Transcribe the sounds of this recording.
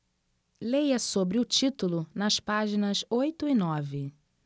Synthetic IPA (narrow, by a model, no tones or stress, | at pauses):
lejɐsobɾɪʊt͡ʃit̪ulʊnɐspaʒinɐsojt̪ʊinɔvɪ